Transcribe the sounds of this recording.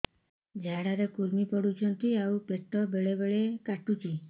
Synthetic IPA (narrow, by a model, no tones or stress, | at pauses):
d͡ʒʱaɽaɾekuɾmipɔɽut͡ʃʰɔnt̪iaupeʈːɔbeɭebeɭekaʈut͡ʃʰi